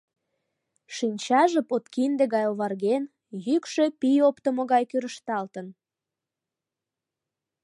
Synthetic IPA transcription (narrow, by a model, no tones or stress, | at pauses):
ʃinʲt͡ɕɑʒepot̪kind̪eɣɑjoβɑrɣen | jykʃø̽pijopt̪omoɣɑjkyɾəʃt̪ɑlt̪ən